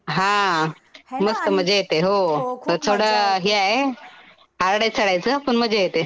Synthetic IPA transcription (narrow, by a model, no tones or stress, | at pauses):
ɦã | məst̪əm̤əd͡ʑʱejet̪eɦot̪ət̪ʰoɽəɦiaɦe | ɦaɾɽajt͡sʰəɽajt͡səapəɳm̤əd͡ʑʱejet̪e